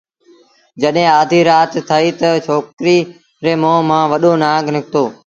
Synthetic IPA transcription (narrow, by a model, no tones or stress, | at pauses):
d͡ʒəɗɦẽːaːd̪ʱiːɾaːt̪ːʰəiːt̪ət͡ʃʰoːkɾiː | ɾeːmõːmãːʋəɗoːnãːɡnɪkʰt̪oː